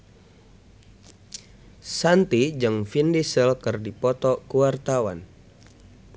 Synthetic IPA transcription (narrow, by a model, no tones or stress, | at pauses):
sant̪id͡ʒɨŋfindisəlkɨrdipɔt̪ɔkuwart̪awa̰n